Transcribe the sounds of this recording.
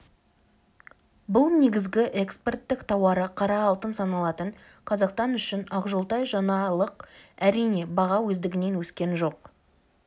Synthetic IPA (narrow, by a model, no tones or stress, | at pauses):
bʊlˠne̞ɡʲɪzɡʲɪʔe̞kspert̪ːɪkt̪ʰɑwɑɾəqʰɑɾɑːlˠt̪ənsɑnɑlˠɑt̪əɴ | qʰɑzɑqst̪ɑnʏʃɪnɑqʒolˠt̪ɑjʒɑnɑlˠəqæɾijne̞bɑʁɑwɵzd̪ɪɡʲɪne̞nwɵskʲe̞nʒo̞q